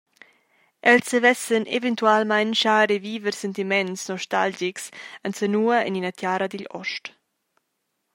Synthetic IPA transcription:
ʔɛlsəvɛsənḛvɛnt̪ualmajnʃaɾeviːvəɾsɛnt̪imɛnsnɔʃtald͡ʒiksansənuɐɛ̰ninat̪jaːɾɐd̪iʎɔ̰ʃt

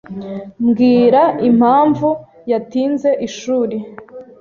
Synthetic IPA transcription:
mɡiːɾaʔim̥haːɱvu | jatiːnze̞ʔiʃuːɾi

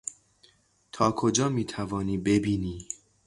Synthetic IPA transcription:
t̪ʰɒːkʰod͡ʒɒːmiːt̪ʰævɒːniːbe̞biːniː

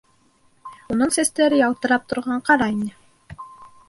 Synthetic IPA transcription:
unɤɴsæst̪æɾɘjɑlˠt̪ɤ̆ɾɑp̚t̪ŏɾʁɑɴqɑɾɑinɘ

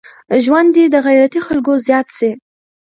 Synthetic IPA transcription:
ʒwand̪id̪əɣajɾat̪ixalɡozjɑt̪se

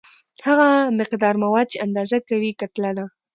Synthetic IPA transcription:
haɣamɪqd̪ɑɾmawɑd̪̚t͡ʃeand̪ɑzakawikat̪lad̪a

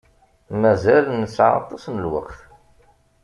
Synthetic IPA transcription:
mæzælnəsːʕɑ̰t̪ˤːɑsnəlwə̰qθ

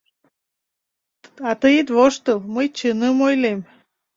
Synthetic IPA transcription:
ɑt̪ɨjd̪βoʃt̪ɨlmɨjt͡ɕɨnɨmojlem

